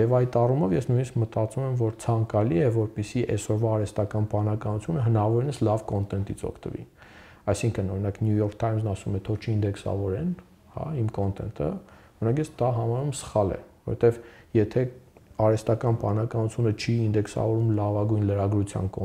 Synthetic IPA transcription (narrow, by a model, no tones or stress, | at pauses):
jɛvɑjt̪ɑrumɔvjɛsnujniskmət̪ɑt͡sumɛmvɔɾt͡sʰɑŋkɑliɛvɔɾpɛsiʔɛsɔɾvɑːɾɛst̪ɑkɑnpɑnɑkɑnut͡sʰjunəɦənɑɑvɔɾinəslɑvkɔnt̪ɛnt̪it͡sʰɔ̰kʰt̪əvḭ | ɑjsiŋkʰənɔɾinɑknjujɔɾkʰt̪ʰɑjmznɑsumɛt̪ʰɔt͡ʃʰəind̪ɛksɑ̰vɔɾɛn | hɑ̰imkɔnt̪ɛ̰nt̪ʰə̰ | ɔinɑkjɛt͡sd̪ɑɦɑmɑɾumsə̥χɑlɛ̰vɔɾɛt̪ɛvjɛt̪ʰɛɑɾɛst̪ɑkɑnpɑnɑkɑnut͡sʰjunət͡ʃʰiind̪ɛksɑ̰vɔɾumlɑvɑɡujnləɾɑɡɾut͡sʰjɑ̰nkɔ